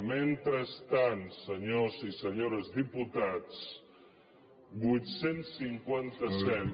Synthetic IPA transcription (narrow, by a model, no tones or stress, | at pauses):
ment̪ɾəst̪ansəɲozisəɲoɾəzdiput̪at͡s | bujt̪sensːiŋkwant̪əsɛ